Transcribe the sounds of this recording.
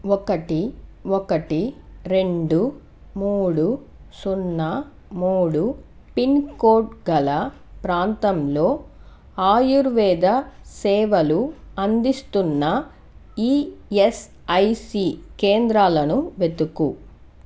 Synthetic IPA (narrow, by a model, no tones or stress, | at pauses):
ɔkɐʈiɔkɐʈiɾe̞ɳɖu | muːɽu | sunːɐ | muːɽu | pinkoːʈɡɐlɐ | pɾaːnt̪ɐmlo̞ː | aːjuɾʋɛːd̪ɐsɛːʋɐluɐnd̪ist̪unːɐ | iːes | ɐjsikeːnd̪ɾaːlɐnuʋe̞t̪uku